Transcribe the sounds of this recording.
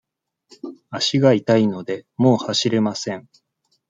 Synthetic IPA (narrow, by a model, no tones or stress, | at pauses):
aɕiɡait̪aino̞d̪e̞mo̞ːhaɕiɾe̞masẽ̞ɴ